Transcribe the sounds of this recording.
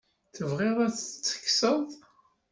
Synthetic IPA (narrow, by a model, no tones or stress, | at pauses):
θəvʁɪðˤæθt͡sːə̥kːsəðˤ